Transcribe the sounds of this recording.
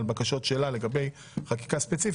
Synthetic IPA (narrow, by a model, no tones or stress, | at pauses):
lbakaʃo̞tʃelale̞ɡabe̞j | χaki̥kaspe̞t͡si